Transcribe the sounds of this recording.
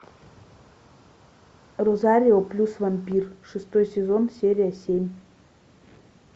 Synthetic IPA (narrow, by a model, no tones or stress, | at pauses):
rozaɾʲioplʲusvamʲpʲirʂɨst̪ojsʲezonsʲeɾʲijasʲemʲ